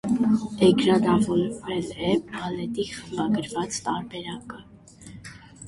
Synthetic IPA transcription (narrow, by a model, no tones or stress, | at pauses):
ɛkɾɑnɑvɔɾvɾɛlɛɑlɛt̪iχəmbɑɡəɾvɑt͡st̪ɑɾbɛɾɑkə